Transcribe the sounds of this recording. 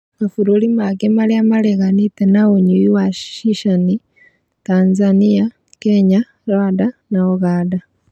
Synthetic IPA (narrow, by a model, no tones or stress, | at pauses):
kafuɾolimakemaljamaleɣanitenaoɲuiwaʃʃiʃani | taːnzania | keɲa | ɾwaːdanaoɣaːda